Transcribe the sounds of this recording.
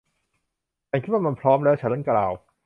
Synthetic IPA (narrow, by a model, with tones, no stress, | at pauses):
aː˧ŋkʰt̪̚waː˥˩ma˧npʰɾɔː˦˥mlɛː˦˥˩wt͡ɕʰa˦˥nɾɤ˥˩nklaː˨˩w